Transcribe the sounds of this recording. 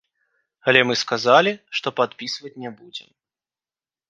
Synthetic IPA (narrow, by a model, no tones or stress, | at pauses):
alʲɛmɨskazalʲiʂt̪ɔpat̪pʲisvɐt͡sʲnʲɛbud͡zʲɛ̰m